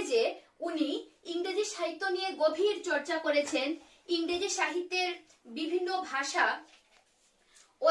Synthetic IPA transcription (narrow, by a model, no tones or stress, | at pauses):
d͡ʑe | uniiŋɾed͡ʑiʃaɦit̪ːonijeɡobʱiɾt͡ɕɔɾt͡ɕakoɾet͡ɕʰen | iŋɾed͡ʑiʃaɦit̪ːeɾ | bibʱinːobʱaʃa | o